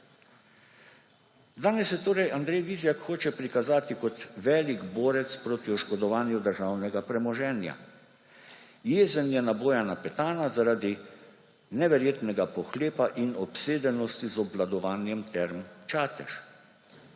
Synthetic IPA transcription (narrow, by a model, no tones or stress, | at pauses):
d̪aːnɛsjɛt̪oːɾɛjand̪ɾɛjʋizjakxoːt͡ʃɛpɾikazaːt̪ikɔt̪ʋɛːliɡboːɾɛt̪spɾoːt̪iɔʃkɔd̪ɔʋaːnjud̪əɾʒaːwnɛɡapɾɛmɔʒɛːnja̰ | jeːzənjɛnaboːjanapɛt̪aːnazaɾaːd̪i | nɛʋɛɾjeːt̪nɛɡapɔxleːpaʔinɔpseːd̪ɛnɔst̪izɔblad̪ɔʋaːnjɛmt̪ɛɾmt͡ʃaːt̪ɛʃ